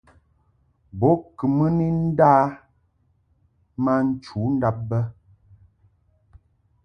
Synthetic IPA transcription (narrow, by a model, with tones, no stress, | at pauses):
bɔ˨˦kə˨mə˦ni˦n̩˦da˦ | ma˦n̩˦t͡ʃu˨˦n̩˦da˦p̚bə˦